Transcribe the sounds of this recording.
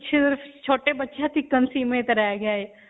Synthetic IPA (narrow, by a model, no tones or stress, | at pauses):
tːʃʰet̪əɾft͡ʃʰoːʈebɐtːʃʰat̪ʰɪkːənsiːmẽt̪ɾɛjaɡjaɛː